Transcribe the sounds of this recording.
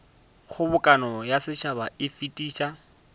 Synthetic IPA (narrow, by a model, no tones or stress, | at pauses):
χʊbʊkʼanɔjasɪt͡ʃʰabaɪfitʼiːt͡ʃa